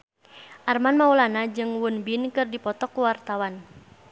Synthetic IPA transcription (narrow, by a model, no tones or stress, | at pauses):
ʔarmanmaulanad͡ʒɨŋwunbinkɨrdipɔt̪ɔkːuwart̪awan